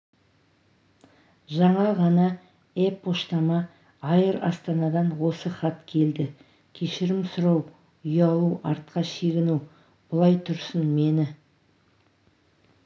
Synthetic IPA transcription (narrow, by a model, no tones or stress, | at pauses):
ʒɑɴɑʁɑnɑ | epʰːoʃt̪ɑmɑː | jəɾɑ̰st̪ɑnɑd̪ɑnwo̞səχɑt̪kʲʰe̞ld̪ɪ | kʲʰe̞ʃɪɾɪmsʊɾɑw | ʏjɑlˠuɑɾt̪̚qɑʃe̞ɡʲɪnuw | b̥ʊlˠɑjt̪ʰʊɾsənme̞nɪ